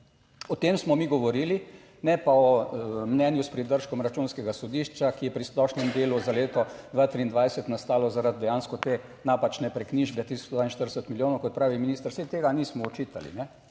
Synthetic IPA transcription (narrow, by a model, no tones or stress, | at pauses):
ɔt̪eːmsmɔmiɡɔʋɔɾiːli | nɛpaɔmnɛnjuspɾid̪əɾʃkɔmɾat͡ʃunskɛɡasɔd̪iʃt͡ʃakijɛpɾisplɔʃnɛmd̪eːluzaleːt̪ɔd̪ʋaːt̪ɾiːnd̪ʋajsɛt̪nast̪aːlɔzaɾad̪̚d̪ɛjaːnskɔt̪eː | naːpat͡ʃnɛpɾɛkniʒbɛt̪ɾist̪ɔd̪ʋaːinʃt̪əɾd̪ɛsət̪miljoːnɔkɔt̪̚pɾaːʋiminiːst̪əɾsɛjt̪eːɡaniːsmɔɔt͡ʃiːt̪a̰lḭnɛ